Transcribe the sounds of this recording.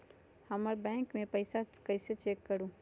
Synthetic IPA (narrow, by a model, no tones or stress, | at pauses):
hɐməɾbɛ̃ːŋkmẽpɐɪsakɐɪset͡ʃeːkːɐɾũː